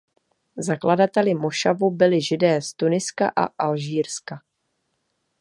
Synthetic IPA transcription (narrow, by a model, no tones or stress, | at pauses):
zakladat̪ɛlɪmo̞ʃavubɪlɪʒɪdɛːst̪unɪska̰ʔa̰ʔalʒiːɾska